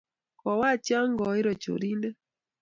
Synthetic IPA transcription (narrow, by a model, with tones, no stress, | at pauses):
kɔ˨wa˦˨t͡ʃja˦ŋɡɔ˨i˦ɾɔ˨t͡ʃo̰˨ɾi˦ndɛ˦